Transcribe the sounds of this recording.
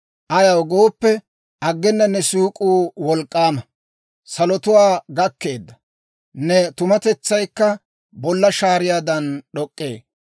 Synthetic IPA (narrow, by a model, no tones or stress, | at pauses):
ʔɐjɐwɡo̞ːpːɛ | ʔɐɡːɛnːɐnːɛsuːkʼuːwɔlkʼːaːmɐ | sɐlɔt̪ʊwaːɡɐkːe̞ːd̪ːɐ | nɛt̪ʊmɐt̪ɛt͡sːɐjkːɐ | bɔlːɐʃaːɾɪjaːd̪ɐnɗɔkʼːḛː